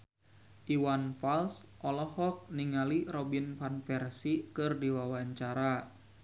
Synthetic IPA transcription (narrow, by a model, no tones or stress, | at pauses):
ʔiwanfalsʔɔlɔhɔk̚niŋalirɔbinfanfɛrsikɨrdiwawaɲt͡ʃaɾa